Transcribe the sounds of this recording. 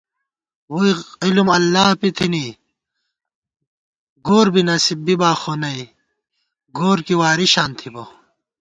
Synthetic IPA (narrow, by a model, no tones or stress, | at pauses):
woiilumɐlːaːpit̪ʰini | ɡoːɾbinɐsibbibaːxonɐi | ɡoːɾkiwaːɾiɕaːnt̪ʰibo